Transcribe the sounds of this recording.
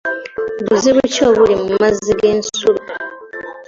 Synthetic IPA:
βuziβucoːβulimumaziɡeːnsulu

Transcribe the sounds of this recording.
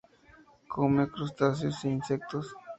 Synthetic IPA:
kʰomekɾust̪as̬josiinsek̚t̪os

